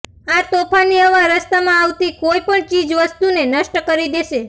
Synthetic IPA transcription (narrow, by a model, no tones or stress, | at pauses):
at̪opʰaniəʋaɾəst̪amãaʋt̪ikoipəɳt͡ʃid͡ʒʋəst̪unenəʃʈəkəɾid̪eʃe